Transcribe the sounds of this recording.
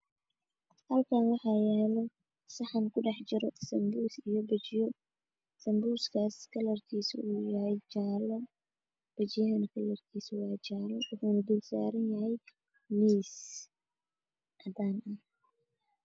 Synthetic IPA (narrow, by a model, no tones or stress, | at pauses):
hɐlkʰɐnwɑħaːjalɔ | sɐħankʊɗɐħd͡ʒɪɾɔsɐmbusɪjɔbɐd͡ʒɪjɔ | sɐmbuːskʰaːskʰɐlɐɾt̪ʰiːsṵʔujahɐjt͡ʃaːlɐ | b̥ɐd͡ʒɪjhɐnkʰɐlɐɾt̪ʰiːswaːt͡ʃaːlɐʊħunɐd̪ulsa̰ːɾɪnjɐhɛj | miːs | ʔɐd̪aːnʔɐ